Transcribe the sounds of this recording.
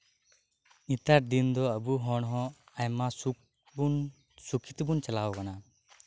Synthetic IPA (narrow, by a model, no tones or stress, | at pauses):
it̪aɾd̪ind̪ɔəbuɦɔɽ̃ɦɔ̃ajmasu | bn | sukʰi̥t̪ibunt͡ʃalawkana